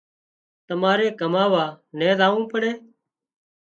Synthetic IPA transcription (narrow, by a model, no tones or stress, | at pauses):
t̪əmaːɾeːkəmaːʋaː | nẽːzaːũːpəɽeː